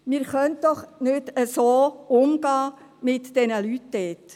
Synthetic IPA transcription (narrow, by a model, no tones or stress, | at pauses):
mɪːɾχœnt̚d̥ɔχnʏdəsoːʊmɡɑː | mɪtd̥ɛnəlytdɛːt̪